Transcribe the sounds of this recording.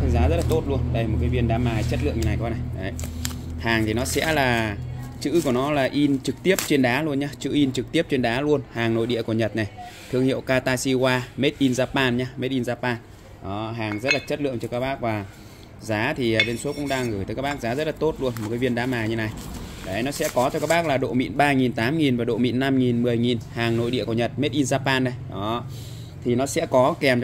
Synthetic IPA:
ə˧zaː˨˦zə˦˥t̚laː˨˩t̪o˦˥t̚lu˧ənɗə˧jmo˨˩t̚kaː˨˦jvi˧ənɗaː˨˦maː˨˩t͡ɕə˦˥t̚lɨ̰˧əŋɲɨ˧a˨˩jkɔ˨˦na˨˩jɗə˨˩j | haː˨˩ŋt̪ʰi˨˩nɔ˨˦sɛ̰˧˥laː˨˩t͡ɕɨ̰˧˥ku˧˩ənɔ˨˦laː˨˩ʔi˧nt͡ɕɨ˨˩k̚t̪i˦˥əp̚t͡ɕe˧nɗaː˨˦lu˧ənɲaː˧t͡ɕɨ̰˧˥ʔi˧nt͡ɕɨ˨˩k̚t̪i˦˥əp̚t͡ɕe˧nɗaː˨˦lu˧ənhaː˨˩ŋno̰˧˨jɗḭ˧˨ku˧˩əɲə˨˩t̚na˨˩jt̪ʰɨ˧əŋhḭ˧˨ə˨wkaː˧t̪aː˧si˧kwaː˧me˦˥t̚ʔi˧nzaː˧paː˧nɲaː˧me˦˥t̚ʔi˧nzaː˧paː˧n | ʔɔ˨˦ɦaː˨˩ŋzə˦˥t̚laː˨˩t͡ɕə˦˥t̚lɨ̰˧˨əŋt͡ɕɔ˧kaː˦˥k̚ɓaː˦˥k̚vaː˨˩ | zaː˨˦t̪ʰi˨˩aː˨˩ɓe˧nsu˨˦˥tkʊ̰˧˥ŋ͡mɗaː˧ŋɣɨː˨˧˩j̪əː˨˦kaː˦˥ɓːk̚zaː˨˦zə˦˥t̚laː˨˩t̪o˦˥t̚lu˧ənmo˨˩kaː˨˦vi˧ənɗaː˨˦maː˨˩ɲɨ˧na˨˩jɗa̰˨˩˦nɔ˨˦sɛ̰˧˥kɔ˨˦t͡ɕɔ˧kaː˦˥kɓaː˦˥k̚laː˨˩ɗo̰˧˨mḭ˧˨nɓaː˧ŋi˨˩nt̪aː˨˦mŋi˨˩nvaː˨˩ɗo̰˧˨mḭ˧˨nːa˧mŋi˨˩nmɨ˨˩əjŋi˨˩nhaː˨˩ŋno̰˧˨jɗḭ˧˨əku˧˩ɲə˨˩t̚me˦˥t̚ʔi˧nzaː˧paː˧nːa˨˩jʔɔ˨˦ | t̪ʰi˨˩nɔ˨˦sɛ̰˧˥kɔ˨˦kɛ˨˩m

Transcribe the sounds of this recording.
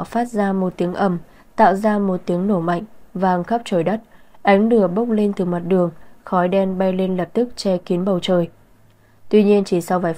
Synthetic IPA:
faː˦˥t̚zaː˧mo˨˩t̚t̪i˨˦əŋʔə˧˩m | t̪a̰ː˧˨wzaː˧mo˨˩t̚t̪i˨˦əŋno˧˩ma̰˧˨jŋ̟vaː˨˩˧ŋxə˦˥p̚t͡ɕoː˧˩jɗə˦˥t̚ʔa˨˦jŋ̟lɨ˧˩əɓə˦˥wk͡p̚le˧nt̪ɨ˨˩ma˨˩t̚ɗɨ˨˩əŋxɔ˨˦jɗɛ˧nɓa˧jle˧nlə˨˩p̚t̪ɨ˦˥k̚t͡ɕɛ˧ki˨˦ənɓə˨˩wt͡ɕəː˨˩j | t̪wi˧ɲi˧ənt͡ɕi˧˩sa˧wvaː˨˦j

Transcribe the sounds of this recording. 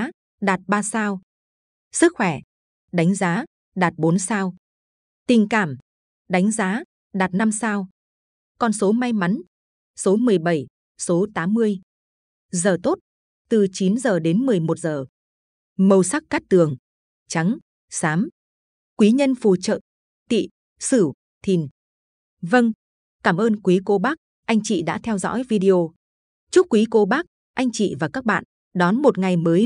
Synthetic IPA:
ɗaː˨˩t̚ɓaː˧saː˧w | sɨ˦˥k̚xwɛ˧˩ | ɗa˨˦jŋ̟zaː˨˦ | ɗaː˨˩t̚ɓo˨˦nsaː˧w | t̪ï˨˩ŋ̟kaː˧˩m | ɗa˨˦jŋ̟zaː˨˦ | ɗaː˨˩t̚na˧msaː˧w | kɔ˧nso˨˦ma˧jma˨˦n | so˨˦mɨ˨˩əjɓə˧˩j | so˨˦t̪aː˨˦mːɨ˧əj | zəː˨˩t̪o˦˥t̚ | t̪ɨ˨˩t͡ɕi˨˦nzəː˨˩ɗe˨˦nmɨ˨˩əjmo˨˩t̚zəː˨˩ | mə˧˩wsa˦˥k̚kaː˦˥k̚t̪ɨ˨˩əŋ | t͡ɕa˨˦ŋ | saː˨˦m | kwi˨˦ɲə˧nfu˨˩t͡ɕə̰ː˧˨n | t̪ḭ˧˨ | sɨ˧˩w | t̪ʰi˨˩n | və˧ŋ | kaː˧˩mʔəː˧nkwi˨˦ko˨˦ɓaː˦˥k̚ | ʔa˧jŋ̟t͡ɕḭ˧˨ɗa̰ː˧˥t̪ʰɛ˧wzɔ̰˧˥jvi˧ɗi˧o˧ | t͡ɕu˦˥k͡p̚kwi˨˦ko˨˦ɓaː˦˥k̚ | ʔa˧jŋ̟t͡ɕḭ˧˨vaː˨˩kaː˦˥k̚ɓa̰ː˧˨n | ɗɔ˨˦nmo˨˩t̚ŋa˨˩jməː˨˦j

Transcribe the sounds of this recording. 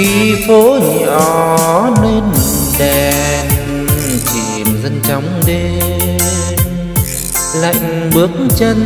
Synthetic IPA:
i˧˩fo˧˦ɲɔ˧le˧nɗɛ˨˧˨n | t͡ɕi˨˩mzə˧nt͡ɕa˨˦wŋ͡mɗe˧ | n | la̰˧˨jŋ̟ɓɨ˨˦ək̚ŋt͡ɕə˧n

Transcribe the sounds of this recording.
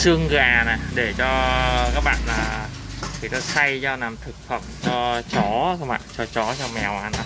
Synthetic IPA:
sɨ˧əŋɣaː˨˩na˨˩ɗe˧˩t͡ɕɔ˧kaː˦˥k̚ɓa̰ː˧˨nlaː˨˩ki˧˩t̪a˧sa˧jt͡ɕɔ˧naː˨˩mt̪ʰɨ˨˩k̚fə˧˩mt͡ɕɔ˧t͡ɕɔ˨˦kaː˦˥k̚ɓa̰ː˧˨nt͡ɕɔ˧t͡ɕɔ˨˦t͡ɕɔ˧mɛ˨˩wʔa˧n˧˦

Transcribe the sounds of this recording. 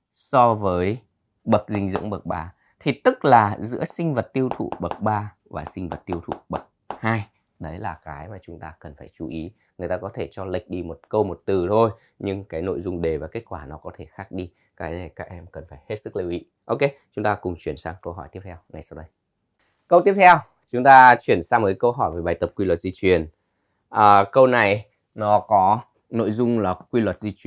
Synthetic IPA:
sɔ˧vəː˨˦j | ɓə˨˩t̚zï˧ŋ̟zɨ̰˧˥ŋ͡mɓə˨˩k̚ɓaː˧˩ | t̪ʰi˧˩t̪ɨ˦˥k̚laː˨˩zɨ̰˧˥əsï˧ŋ̟və˨˩t̚t̪i˧əwt̪ʰṵ˧˨ɓə˨˩k̚ɓaː˧ | vaː˨˩sï˧ŋ̟və˨˩t̚t̪i˧əwt̪ʰṵ˧˨ɓə˨˩t̚haː˧j | ɗə˨˦jlaː˨˩kaː˨˦jmaː˨˩t͡ɕʊ˨˦ŋ͡mt̪aː˧kə˨˩nfaː˧˩jt͡ɕu˨˦ʔi˨˦ | ŋɨ˨˩əjt̪aː˧kɔ˨˦t̪ʰe˧˩t͡ɕɔ˧lə˨˩jk̟̚ɗi˧mo˨˩t̚kə˧wmo˨˩t̚t̪ɨ˨˩t̪ʰo˧j | ɲɨ˧ŋkaː˨˦jno̰˧˨jzʊ˧ŋ͡mɗe˨˩vaː˨˩ke˦˥t̚kwaː˧˩nɔ˨˦kɔ˨˦t̪ʰe˧˩xaː˦˥k̚ɗi˧ | kaː˨˦jnə˨˩jkaː˦˥k̚ʔɛ˧mkə˨˩nfaː˧˩jhe˦˥t̚sɨ˦˥k̚li˧˩wʔḭ˧˥ʔo˧wke˧t͡ɕʊ˨˦ŋ͡mt̪aː˧kʊ˨˩ŋ͡mt͡ɕwi˧˩ənsaː˧mkə˧wɦɔ˧˩jt̪i˦˥əp̚t̪ʰɛ˧wŋa˨˩jsa˧wɗə˧j | kə˧wt̪i˦˥ət̪ʰɛ˧w | t͡ɕʊ˨˦ŋ͡mt̪aː˧t͡ɕwi˧˩ənsaː˧m̚˨˩kːkə˧wɦɔ˧˩jve˨˩ɓaː˨˩jt̪ə˨˩p̚kwi˧lwə˨˩t̚zi˧t͡ɕwi˨˩ən | ʔəː˨˩kə˧wna˨˩j | nɔ˨˦kɔ˨˦ | no̰˧˨jzʊ˧ŋ͡mlaː˨˩kwi˧lwə˨˩t̚zi˧t͡ɕwi˧˩

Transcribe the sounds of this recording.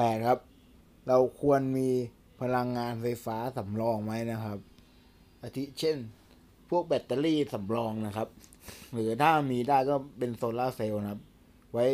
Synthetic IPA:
pɛː˨˩t̚kʰa˦˥p̚ | ɾa˧wkʰu˧ənmiː˧ | pʰa˧la˧ŋːaː˧nfa˧jfaː˦˥sa˩˦mlɔː˧ŋwa˦˥jna˦˥kʰa˦˥p̚ | ʔa˧t̪ʰi˦˥t͡ɕʰe˥˩n | pʰu˥˩ək̚bɛ˨˦˩t̪ːa˧liː˥˩sa˩˦mlɔː˧ŋna˦˥kʰa˦˥p̚ | ɾɯː˩˦t̪ʰaː˥˩miː˧daː˥˩jkɔː˥˩pe˧nsoː˧laː˥˩se˧wna˦˥p̚ | wa˦˥j

